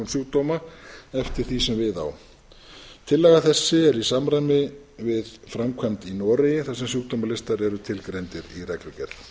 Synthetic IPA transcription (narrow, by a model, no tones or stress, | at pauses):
nsjuk̚t̪ɔmaɛft̪ɪɾ̥θisɛmvɪða̰w | t̪ʰɪlːɛɣaθɛsːɪɛɾisamɾajmɪ | vɪðfɾamkʰant̪inɔːɾɪjɪθasɛmsjuk̚t̪omalɪst̪aɾɛɾʏt̪ʰɪlkɾejnt̪ɪɾirɛklɪcɛɾl